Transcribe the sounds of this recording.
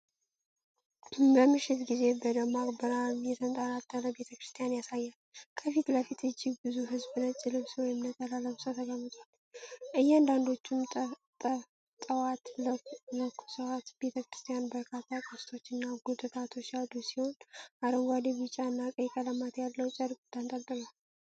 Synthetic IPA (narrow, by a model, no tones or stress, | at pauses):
bəmːɨʃːɪt̪ɡize̞bəd̪əmaɡbəɾamjɛt̪ʰənt̪ʼaɾat̪ʰʼːənəbe̞t̪ʰəkɾɨst̪ʰijanjasajːalkʰəfit̪ləfit̪ɨd͡ʒːɪɡbɨzuɦɨzbɨnət͡ʃʼːɪlɨβswɔjɪmnət̪ʼəlaləβsʼət̪ʰəɡəmːɨt̪ʼwal | ʔɨjːɛand̪and̪o̞t͡ʃːumt̪ʼə | t̪ʼəwat̪lələkʰːu̥səwat̪be̞t̪ʰəkɾɨst̪ʰʼijanbəɾkʰat̪ʰːakʼɨst̪ʰo̞t͡ʃːɨnːaɡut̪ʰɨt̪ʰat̪ʰo̞t͡ʃːjald̪usiho̞nʔaɾəŋɡʷad̪eβɨt͡ʃʼːaɨnːakʼəjkʼələmat̪jalːəwt͡ʃʼəɾkʼut̪ʰːant̪ʼət̪ʼːɨlal